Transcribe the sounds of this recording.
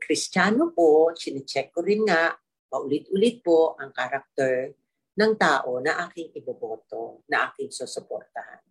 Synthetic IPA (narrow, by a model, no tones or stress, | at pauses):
kɾɪst͡ʃaːnoposɪnɪt͡ʃɛkːoɾɪnŋaʔ | mɐʔʊlɪt̪ʔʊlɪt̪̚po̞ʔɐŋkaɾɐk̚t̪ɛɹ | nɐŋt̪aːʔo̞nɐʔaːkɪŋɪbɐboːt̪onɐʔaːkɪŋsosopo̰ɾt̪ɐha̰n